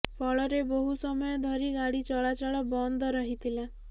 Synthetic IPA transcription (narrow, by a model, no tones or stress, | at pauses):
pʰɔɭɔɾeboɦusɔmɔjɔd̪ʱɔɾiɡaɽit͡ʃɔɭat͡ʃɔɭɔbɔnd̪ʱɔɾɔɦit̪ʰila